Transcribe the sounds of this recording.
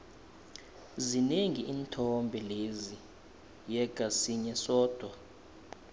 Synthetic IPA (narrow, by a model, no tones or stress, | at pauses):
zineŋiʔiːntʰɔmbʱɛlezi | jɛkʼasiɲɛsɔːd̥ʱwa